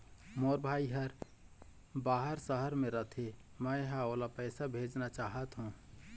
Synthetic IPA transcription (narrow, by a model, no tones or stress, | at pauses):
moːɾbʱaːiɦəɾ | baːɦəɾsəɦəɾmẽɾət̪ʰe | mə̃ɦaoːlapɛːsabʱeːd͡ʒnat͡ʃaːɦət̪ɦũː